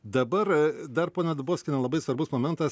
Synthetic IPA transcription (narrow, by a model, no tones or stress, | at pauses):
d̪ɐbɐɾd̪ɐɾpoːnʲɛd̪ɐboːsʲkʲɪnʲɛlˠɐbɐɪsʋɐɾbʊsmoːmʲɛnt̪ɐs